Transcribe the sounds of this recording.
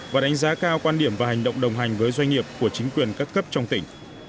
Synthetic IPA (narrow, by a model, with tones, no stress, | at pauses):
vaː˨˩ɗa˨˦ŋ̟zaː˨˦kaː˧wkwaː˧nɗi˧˩əmvaː˨˩ha˨˩jŋ̟ɗə̰˧˨wŋ͡mɗə˨˩wŋ͡mɦa˨˩jŋ̟vəː˨˦jzwa˧jŋ̟ŋi˨˩əp̚ku˧˩ət͡ɕï˨˦ŋ̟kwi˨˩ənkaː˦˥kːə˦˥p̚t͡ɕɔ˧wŋ͡mt̪ï˧˩ŋ̟